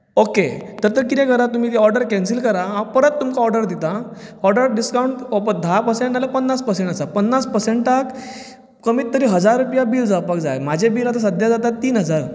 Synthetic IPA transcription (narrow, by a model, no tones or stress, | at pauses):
oket̪əɾt̪əɾkit̪ẽkəɾat̪um̤iːt̪iɔɾɖəɾkɛ̃nsilkəɾaɦãpəɾət̪ːumkaɔɾɖəɾd̪it̪aɔɾɖəɾɖiskawɳʈɔpəd̪ʱapəɾsẽɳʈnalepənːaspəɾsẽɳʈasapənːaspəɾseɳʈʈak | kəmiːt̪ːəɾiːɦəd͡zaɾːupjabiːɾd͡zaʋpakd͡za̰jmad͡ʑʱebiːɾat̪as̬əd̪ʱjad͡zat̪at̪ːiːnɦəd͡zaɾ